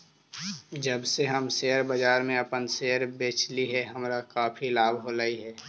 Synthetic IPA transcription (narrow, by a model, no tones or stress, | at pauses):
d͡ʒəbseɦəmseːəɾbəd͡ʒaːɾmẽəpənseːəɾbeːt͡ʃliɦɛɦəmɾakaːpʰilaːbʱɦolaːiɦɛː